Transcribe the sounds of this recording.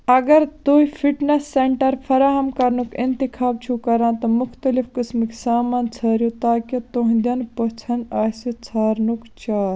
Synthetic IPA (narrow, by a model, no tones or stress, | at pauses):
ɐɡɐɾt̪oːifʰiʈnesːeɳʈɐɾpʰɐɾaːɦɐmkɐɾnukint̪ikʰaːb̚t͡ʃʰukɐɾãːnt̪ɐmʊxt̪ɐlifkismiksaːmaːnt͡sʰɐːɾjut̪aːkit̪oɦĩd̪ɐnpɐt͡sʰɐnd̪aːsit͡sʰaːɾnukt͡ʃaːɾ